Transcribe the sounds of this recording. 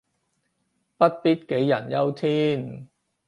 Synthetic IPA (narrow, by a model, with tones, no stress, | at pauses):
pɐ˥t̚piː˥t̚ke˨˥jːɐ˨˩njɐ˥wt̪ʰiː˥n